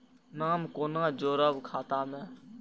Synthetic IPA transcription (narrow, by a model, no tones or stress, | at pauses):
naːmkoːnãːd͡ʒoːɾəʋkʰaːt̪aːmɛ̃ː